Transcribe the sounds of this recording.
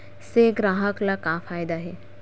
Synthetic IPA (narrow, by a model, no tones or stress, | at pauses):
seɡɾaːɦəklakaːfaːɪd̪aɦeː